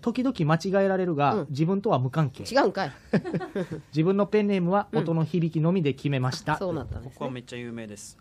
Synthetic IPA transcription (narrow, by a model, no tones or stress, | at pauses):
t̪o̞kʲid̪o̞kʲimat͡ɕiɡae̞ɾaɾe̞ɾɯ̟ɡad͡ʑibɯ̟̃nt̪o̞β̞amɯ̟kãŋke̞̰ːt͡ɕiɡaɯka | d͡ʑibɯ̟̃nːo̞pẽ̞nːe̞mɯ̟βao̞t̪o̞no̞çibʲikʲino̞mʲid̪e̞kʲime̞maɕi̥t̪asoːnat̪ːa̰okoβaamet͡ɕːajɯːmeːd̪es